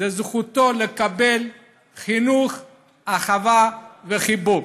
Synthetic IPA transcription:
ezχut̪o̞le̞kabe̞l | χinuχ | aχavaveχibu

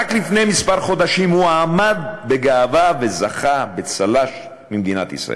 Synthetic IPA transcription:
aklifne̞jmispaʁχo̞d̪aʃimhuaːmad̪̚beɡaːvave̞zaχabet͡salaʃ | mimd̪inat̪ḭsʁa̰ʔḛ

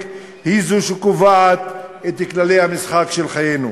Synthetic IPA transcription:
k | hizuʃekovaat̪et̪iklalejhamisχakʃelχajenṵ

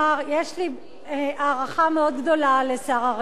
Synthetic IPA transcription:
aʁjeʃli | ʔaːʁaχameod̪ɡd̪o̞lalesaːʁaʁ

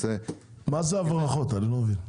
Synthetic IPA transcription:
e | mazeavʁaχo̞t̪anilomevin

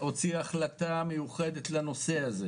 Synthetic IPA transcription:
o̞t͡siaχlat̪amejuχe̞d̪et̪lano̞se̞aze

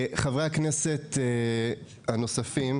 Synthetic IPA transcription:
χavʁeakneset̪ | hanosafim

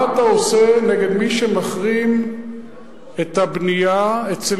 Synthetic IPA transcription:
at̪aoseneɡe̞d̪miʃemaχʁim | et̪habnijaet͡se

